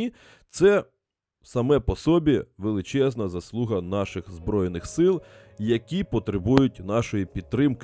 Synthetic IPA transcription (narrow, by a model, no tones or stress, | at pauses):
t̪sɛ | sɐmɛpɔsɔbʲiʋelˠɪt͡ʃɛznɐzɐslˠuɦɐnɑʃɪxzbɾɔjenɪxsɪlˠ | jɐkʲipɔt̪ɾɪbujʊt̚ʲnɑʃɔjipʲid̪̚t̪ːɾɪmk